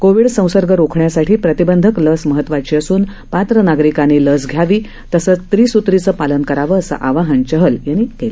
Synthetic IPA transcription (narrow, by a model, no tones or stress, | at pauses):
koʋiɽsə̃w̃səɾɡəɾokʰɳjasaʈʰiːpɾət̪ibənd̪ʱəkləsməɦət̪ːʋat͡ɕiːəsuːn | pat̪ɾənaɡɾikaneləs̬ɡʱjaʋiː | t̪əsəːt͡st̪ɾiːsut̪ɾit͡səːpalənkəɾaʋəːsə̰ʔaʋaɦənt͡ɕəɦəljaniːkel